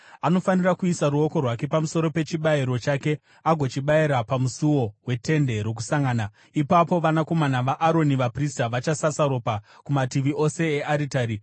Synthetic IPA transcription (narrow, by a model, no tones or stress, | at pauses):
ano̞fanirakuisaɾuo̞ko̞rwake̞pamuso̞ɾo̞pe̞t͡ʃiɓaiɾo̞t͡ʃake̞ | aɡʱo̞t͡ʃiɓaiɾapamusuwo̞we̞te̞nde̞ɾok̬u̥saŋɡana | ipapo̞ʋanako̞manaʋaʔːɾo̞niʋapristaʋat͡ʃasasaɾo̞pa | kumatiʋiʔo̞se̞ːʔaɾitaːɾi